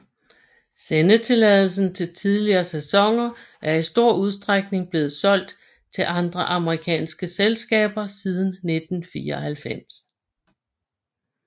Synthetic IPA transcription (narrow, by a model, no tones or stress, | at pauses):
senət͡sʰe̝lɛðˠl̩s̬n̩t͡sʰe̝lt͡sʰið̞ˠliɐːsæsɒ̽ŋɐ | ʔæɐisd̥o̝ɐ̰uð̞ˠsd̥ʁaɡ̥̚ne̝ŋb̥le̝ːð̩ˠsɒ̽l̰d̥ | t͡sʰe̝lʔɑ̈nd̥ʁɐʔɑ̈məʁikʰɛ̰ːnsɡ̥əselsɡ̥ɛ̰ːb̥ɐsið̞ˠn̩ːe̝d̥n̩fiːɐɒhælfem̰s